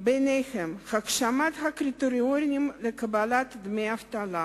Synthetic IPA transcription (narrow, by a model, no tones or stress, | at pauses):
benexemxakʃamat̪xakrʲit̪oɾʲioɾʲnʲimlekʰəbalat̪d̪meaft̪ala